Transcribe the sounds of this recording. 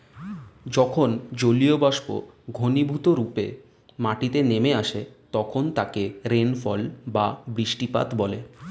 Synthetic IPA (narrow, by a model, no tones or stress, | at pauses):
d͡ʑɔkʰond͡ʑoliobaʃko̰ɡʱonibʱut̪oɾupe | maʈit̪enemeaʃet̪ɔkʰont̪akeɾenfɔlbabɾiʃʈipa̰t̪bɔle